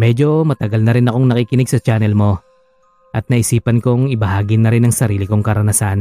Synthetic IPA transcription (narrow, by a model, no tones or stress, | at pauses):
mɛd͡ʒo̞mɐt̪ɐɡalnɐɾɪnɐko̞ŋnɐkikɪnɪɡ̚sɐt͡ʃaːnɛlmo̞ | ʔɐt̪̚nɐʔɪsiːpɐnko̞ŋɪbɐhaːɡɪnɐɾɪnɐŋsɐɾiːlɪko̞ŋkɐɾɐnɐsan